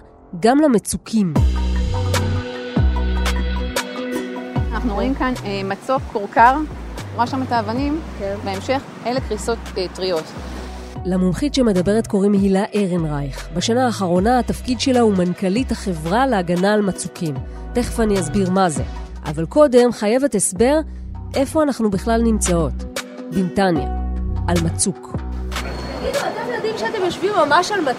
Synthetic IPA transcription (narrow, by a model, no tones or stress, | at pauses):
ɡamlamet͡sukʰim | anaχnuʁoimkanemat͡sokʰːoʁkaʁ | oʁaʃametaːvanim | beemʃe̞χ | ʔelekʁiso̞t̪etʁiot̪ | lamumχitʃeme̞d̪abe̞ʁet̪ko̞ʁimhilaʔeʁenʁajχbaʃanaːχaʁo̞naːtafkidʃe̞laumankalithaχe̞vʁaleaɡanaːlmat͡sukʰim | teχfaniazbiʁmaze̞̰ʔa̰valko̞de̞mχaje̞vetesbe̞ʁ | ʔe̞fo̞anaχnubeχlalnimt͡sao̞t | bintanja̰ʔalmat͡suk | aɡiduat̪emad̪imʃeatemjoʃvimːamaʃalma